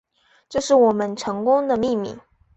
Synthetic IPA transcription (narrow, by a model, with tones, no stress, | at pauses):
ʈ͡ʂɤ˥˧ʂɻ̩˥˩wɔ˨˩mə˦nʈ͡ʂʰɤ˧˥ŋkʊ˥ŋd̪ə˨mi˥˧mḭ˥˩